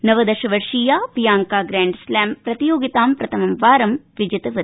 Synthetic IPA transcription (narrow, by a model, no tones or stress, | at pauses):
nɐʋɐd̪ɐʃɐʋɐɾʂiːjaːʋijaːŋkaːɡɾaːɳɖslaːmpɾɐt̪ijoːɡit̪aːmpɾɐt̪ʰɐmɐmʋaːɾɐmʋid͡ʒɐt̪ɐʋɐ